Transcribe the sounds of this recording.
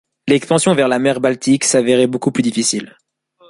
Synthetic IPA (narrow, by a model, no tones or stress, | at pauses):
lɛkspɑ̃sjɔ̃vɛʁlamɛʁbalt̪iksavɛʁɛbokuplyd̪ifisil